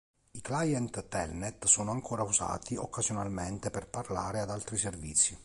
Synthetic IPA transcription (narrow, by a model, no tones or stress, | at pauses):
iklajɛnt̪ːɛlnɛt̪soːnoaŋkʰoːɾauza̰ːt̪ʰiokːazjonalment̪eperparla̰ːɾead̪alt̪ɾiservit̪sːji